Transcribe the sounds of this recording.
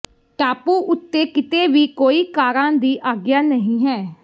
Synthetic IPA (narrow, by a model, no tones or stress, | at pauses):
ʈaːpuːʔʊt̪ːeːkɪt̪eːʋiːkoːiːkaːɾãːd̪iːʔaːɡjaːnəɦĩːɦɛː